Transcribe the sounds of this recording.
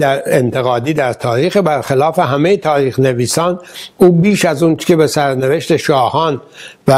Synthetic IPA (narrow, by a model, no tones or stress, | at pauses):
d̪æɾent̪ʰe̞ɣɒːd̪iːd̪æɾt̪ʰɒːɾiːxebæɾxelɒːfe̞ɦæmejet̪ʰɒːɾiːxne̞viːsɒːnd̪uːbiːʃæzuːnt͡ʃe̥cebesæɾne̞veʃt̪e̞ʃɒːhɒːnvæ